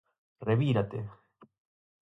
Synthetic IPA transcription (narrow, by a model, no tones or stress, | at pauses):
reβiɾat̪e